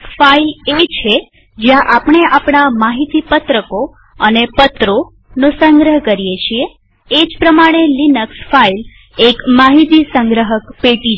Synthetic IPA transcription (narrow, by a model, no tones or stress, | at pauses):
failet͡ʃʰe | d͡ʒjãʔapɳ̃eʔapɳamaɦit̪ipət̪ɾəko | ənepət̪ɾo | nosəŋɡɾəɦkəɾijet͡ʃʰieː | d͡ʒpɾəmaɽ̃elinəksfail | ekmaɦit̪isəŋɡɾəɦəkpeʈi